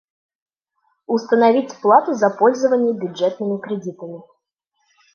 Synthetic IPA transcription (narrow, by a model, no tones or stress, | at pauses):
ʊst̪ənɐvʲitʲplˠat̪ʊzɐpolʲzəvənʲɪjəbʲʊdʐɛt̪nɨmʲɪkɾʲɪdʲit̪əmʲɪ